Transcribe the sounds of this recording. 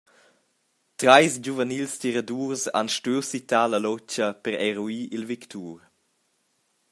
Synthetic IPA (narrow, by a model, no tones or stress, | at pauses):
t̪ɾajsd͡ʑuvənilst̪iɾaduːɾsa̰nʃtøwsit̪aːlɐlɔt͡ʃəpəɾɛɾuiʔilvikt̪uːɾ